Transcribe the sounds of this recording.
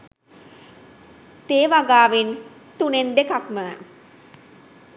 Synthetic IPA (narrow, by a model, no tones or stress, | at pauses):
t̪eːʋaɡaːʋin | t̪unend̪ekakmə